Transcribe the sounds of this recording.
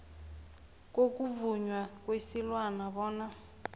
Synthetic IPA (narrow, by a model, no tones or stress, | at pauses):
k̬ʼok̬ʼuvuɲwak̬ʼwesilwanaβɔːna